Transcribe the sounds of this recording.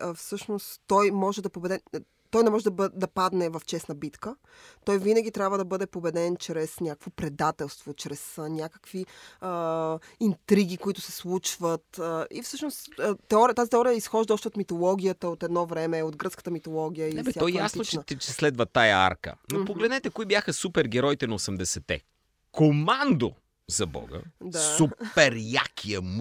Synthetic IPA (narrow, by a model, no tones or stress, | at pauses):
fsɤʃnost̪t̪ːɔjmɔʒɛd̪ɐpobɛd̪ɛ | t̪ɔjnɛmɔʒɛd̪ɐbd̪ɐpad̪nɛvɐft͡ʃɛsnəbit̪kə | t̪ɔjvinəɡʲit̪ɾʲabvəd̪ɐbɤd̪ɛpobɛd̪ɛnt͡ʃɾɛsnʲakə̥kvopɾɛd̪at̪ɛlˠst̪vot͡ʃɾɛsənʲakə̥kviəint̪ɾiɡʲikoit̪ʊ̥sɛslˠut͡ʃvət̪əifsɤʃnost̪ɛɔɾit̪azit̪ɛɔɾijəisxɔʒd̪əɔʃt̪ɛot̪mit̪olˠɔɡʲijət̪əot̪ɛd̪nɔvɾɛmɛod̪ɡɾɤt̪skə̥t̪əmit̪olˠɔɡʲijəiɛbɛsaɔɛjasnot͡ʃɛɛt͡ʃɛslɛd̪vɐt̪ajəa̰ɾkə̰nopoɡlɛd̪nɛt̪ɛkoibjaxəsupɛɾɡʲɛɾɔjit̪ɛnɐosɛmd̪ɛsɛt̪ɛ̰ | komand̪o̰ | zɐbɔ̰ɡə̰d̪asuɛɾjakʲʰiəm